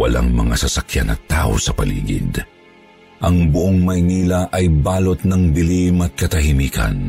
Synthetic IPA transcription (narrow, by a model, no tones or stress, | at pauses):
wɐla̰ŋmɐŋasɐsɐkjanɐ̰t̪a̰ːʔo̰sɐpɐlḭːɡɪ̰d̪ | ʔɐŋbʊʔoŋmɐjniːlɐʔɐjbaːlot̪̚nɐŋbɪlimɐt̪̚kɐt̪ɐɦɪmiːkɐ̰n